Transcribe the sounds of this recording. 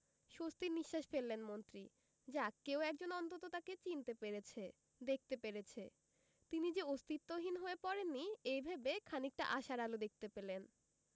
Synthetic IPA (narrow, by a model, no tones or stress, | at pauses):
ʃost̪iɾniʃːaʃfelːenmont̪ɾi | d͡ʑakeowɛk̚d͡ʑonɔnt̪ot̪ot̪aket͡ɕint̪epeɾet͡ɕʰe | d̪ek̚t̪epeɾet͡ɕʰe | t̪inid͡ʑeost̪it̪ːoɦinɦoepɔɾenːiejbʱabekʰanik̚ʈa̰ʔaʃaɾalod̪ek̚t̪epelen